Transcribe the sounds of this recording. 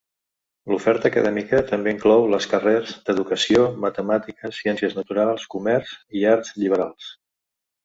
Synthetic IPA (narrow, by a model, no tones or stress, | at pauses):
lufɛɾt̪əːkəðɛmikət̪əmbeiŋklɔwləskərezd̪əðukəsiomət̪əmat̪ikəsiɛnsiəznət̪uɾalˠskumɛrziaɾt̪zʎiβ̞əɾalˠs